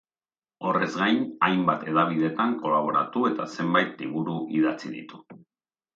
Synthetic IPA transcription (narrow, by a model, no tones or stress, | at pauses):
o̞re̞zɡajnajmbat̪e̞ðaβ̞iðe̞t̪aŋko̞laβ̞o̞ɾa̰t̪ue̞t̪ase̞mbajt̪liβuɾuʔiðat͡siðḭt̪u̥